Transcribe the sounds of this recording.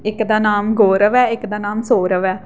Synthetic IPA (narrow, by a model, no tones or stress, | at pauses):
ɪkd̪aːnaːmɡoːɾəʋɛːɪkd̪aːnaːmsoːɾəʋɛː